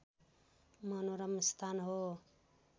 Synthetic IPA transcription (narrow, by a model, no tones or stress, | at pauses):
mʌnoɾʌmist̪ʰanɦo